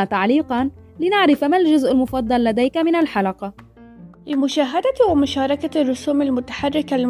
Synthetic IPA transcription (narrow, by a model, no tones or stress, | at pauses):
at̪aʕliːqɑnlɪnaʕɾɪfmald͡ʒʊzʔɪlmʊfɑd̪ˤːɑlːad̪ajkamɪnalħalɑqɑ | lɪmʊʃaːɦad̪awɪmʊʃɑːɾˤɑkarːʊsuːmalmʊt̪ḁħarˤːɪkal